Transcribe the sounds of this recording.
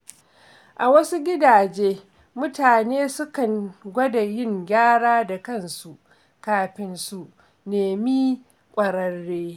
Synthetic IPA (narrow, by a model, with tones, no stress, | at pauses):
ʔa˨wɐ˦su˦ɡʲɪ˦daː˨d͡ʒeː˦ | mʊ˦taː˨neː˦sʊ˦kɐ˨ŋɡʷɐ˦da˨jɪ˦˨ŋɡʲaː˦ɽaː˦da˨kɐ˦˨nsu˨ʔ | kaː˨˦ɸɪ˦nsu˦ʔ | neː˨mi˦ | kʷʼɐ˨ɾɐ˦rːeː˦